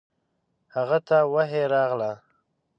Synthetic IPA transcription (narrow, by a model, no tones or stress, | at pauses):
haɣat̪awaɦeɾɑɣla